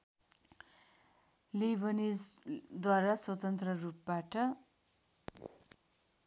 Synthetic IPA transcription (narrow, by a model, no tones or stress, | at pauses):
lebʌnid͡zd̪waɾaswʌt̪ʌnt̪rʌrup̚baʈʌ